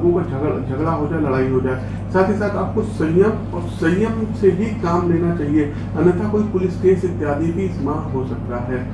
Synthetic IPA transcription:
ɡõpɐɾd͡ʒʱɐd͡ʒʱɐɡɽaɦod͡ʒaːelɐɽaːiɦod͡ʒaːe | saːt̪ʰisaːt̪aːp̚kosɐ̃jjəm | ɔːɾsɐ̃jəmsebʱikaːmleːnat͡ʃaːɦie | ɐnət̪ʰakoːipʊlɪskeːsɪt̪ːjaːd̪ʱebʱiɪsmaːkɦosɐk̚t̪aɦɛː

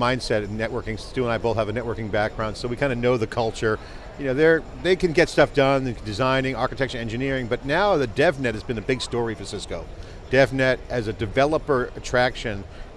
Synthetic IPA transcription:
mãɪ̃nd̥sɛɾɨn̩ːɛʔ̚wɜ˞kɪ̃ŋsstʉə̃naɪboʊθəvɨnɛʔ̚wɜ˞kɪ̃ŋbæk̚ɡ̥ɹãʊ̃nd̥soʊwikʰãɪ̃ndɨnoʊðɨkʰʌlˠt͡ʃə˞ | jɨnoʊðə˞ | ðeɪkɨ̃nɡɛtstʌfd̥ʌ̃ndɨzãɪ̃nɪ̃ŋɑɹkɨtʰɛkʃɨ̃nɛ̃nd͡ʒɨnɪɹɪ̃ŋbʌtⁿnaʊðɨdɛvnɛt̚hɨzbɨ̃nɨbɪɡ̥stɔɹifɨsɪskoʊ | d̥ɛvnɛɾɨzɨdɨvɛlˠəpə˞ɨtʰɹ̥ækʃɨ̃n

